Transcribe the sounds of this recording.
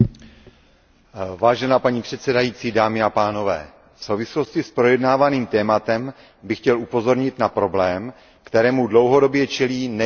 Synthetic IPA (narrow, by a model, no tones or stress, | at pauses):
vaːʒɛnaːpaɲiːpr̥ɛt̪sɛdajiːt͡siːdaːmɪapaːno̞vɛ̰ː | fso̞wvɪslo̞scɪspɾo̞jɛdnaːvaniːmt̪ɛːmat̪ɛm | bɪxcɛlʔupo̞zo̞ɾɲɪt̪napɾo̞blɛːm | kt̪ɛɾɛːmudlo̞wɦo̞do̞bjɛt͡ʃɛliːnɛ